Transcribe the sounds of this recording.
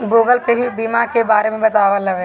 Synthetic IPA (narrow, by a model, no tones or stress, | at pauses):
ɡoːɡəlpebʱibiːmakebaːɾemẽbɐt̪aːʋalɐʋe